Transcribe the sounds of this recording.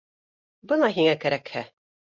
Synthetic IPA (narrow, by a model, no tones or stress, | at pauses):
bɤnɑɦiŋækæɾækhæ